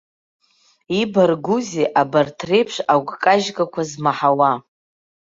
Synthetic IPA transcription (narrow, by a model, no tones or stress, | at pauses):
ibarɡuziʔabartʰrejpʰʂaɡʷkʼaʒkʼakʷʰazmaħawa